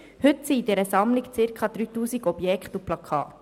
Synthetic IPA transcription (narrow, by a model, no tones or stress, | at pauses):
hʏtsidɛɾəsɑmlikt͡sɪɾkʰχɑːd̪ɾyːtuːsiɡɔbjɛkχtuplɑkʰɑ̰ːt